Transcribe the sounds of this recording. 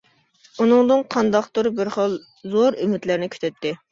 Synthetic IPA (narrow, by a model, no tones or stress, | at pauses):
unɨŋd̪ɨnqʰɑnd̪ɑqt̪uɾɨbɪɾχəlˠ | zoɾymɪt̪lɪɾnɪkʲʰø̥t̪ʰɛt̪ːɪ